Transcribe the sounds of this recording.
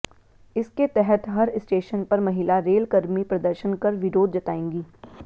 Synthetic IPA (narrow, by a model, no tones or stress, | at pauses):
ɪsket̪ɛɦɛt̪ɦɐɾsʈeːʃənpɐɾmɐɦɪlaɾeːlkɐɾmipɾɐd̪əɾʃənkɐɾʋɪɾoːd̪̚d͡ʒɐt̪aːẽːŋɡiː